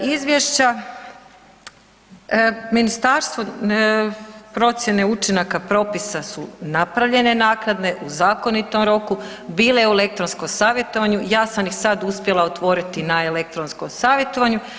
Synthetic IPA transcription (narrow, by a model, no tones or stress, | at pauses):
izʋʲjeʃt͡ɕa | minist̪aːɾst̪ʋo̞ | pɾo̞t̪sjene̞ut͡ʃinakapɾo̞pisasunapɾaʋʎe̞ne̞naːknad̪ne̞ʔuzaːko̞nit̪o̞mɾo̞ku | biːleeuele̞k̚t̪ɾonsko̞msaːʋje̞t̪o̞ʋaɲujaːsamjixsad̪uspʲje̞lˠaot̪ʋo̞ɾit̪inaele̞k̚t̪ɾonskomsaːʋje̞t̪o̞ʋaɲu